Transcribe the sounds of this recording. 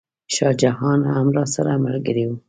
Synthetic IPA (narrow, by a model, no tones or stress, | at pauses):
ʃɑd͡ʒahɑnhamɾɑsaɾamalɡəɾiwu